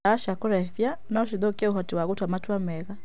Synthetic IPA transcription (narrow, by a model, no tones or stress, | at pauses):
aaʃakuɾɛfjanaɔʃ̬iðɔkiɛuɦɔtiwaɣutwamatuamɛɣa